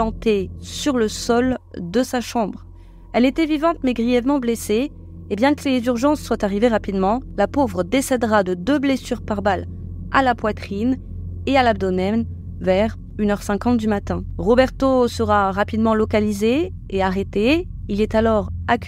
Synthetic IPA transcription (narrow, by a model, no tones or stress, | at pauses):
ɑ̃t̪esyʁləsɔld̪əsaʃɑ̃bʁ | ɛlet̪ɛvivɑ̃t̪mɛɡʁijɛvmɑ̃bleseː | bjɛ̃kəlezyʁʒɑ̃sːwat̪aʁiveʁapid̪mɑ̃lapovʁəd̪esɛd̪ʁad̪əd̪øblesyʁpaʁbala̰lapwat̪χin | ealabd̪ɔnɛn | vɛʁ | ynœʁsɛ̃kɑ̃t̪̚d̪ymat̪ɛ̃ʁɔbɛʁt̪osəʁaʁapid̪mɑ̃lɔkalizeː | aʁet̪e | ilɛt̪alɔʁakʲ